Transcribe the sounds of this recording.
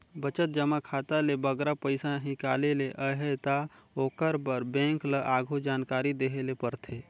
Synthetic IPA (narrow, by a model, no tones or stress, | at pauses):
bət͡ʃət̪̚d͡ʒəmakʰaːt̪alebəɡɾapəɪsãɦĩkaːleleʔəɦət̪aoːkəɾbəɾbɛ̃ːŋkləʔaːɡʱud͡ʒaːnkaːɾid̪eɦelepəɾt̪ʰe